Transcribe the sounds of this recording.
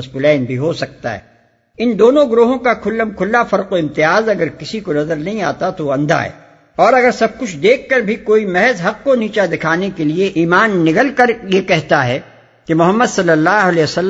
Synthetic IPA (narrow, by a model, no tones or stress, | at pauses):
ɐsbʊlɛːnbʱiɦosɐk̚t̪a̰ɦɛ̰ː | ɪnd̪oːnõɡɾoːɦõkakʰʊlːəmkʰʊlːafɐɾqoɪ̃mt̪ɪjaːzɐɡəɾkɪsikonɐzəɾnɐɦĩaːt̪at̪oɐ̃nd̪ʱa̰ɦɛ̰ː | ɔːɾɐɡəɾsɐb̚kʊt͡ʃʰd̪eːkːɐɾbʱikoːimɛɦɛzɦɐqːoniːt͡ʃad̪ɪkʰaːnekelieʔiːmaːnːɪkəlkɐɾjekɛɦt̪aɦɛ | kemʊɦəmːəd̪sɐlːəlːaːɦʊleːʋsɐlː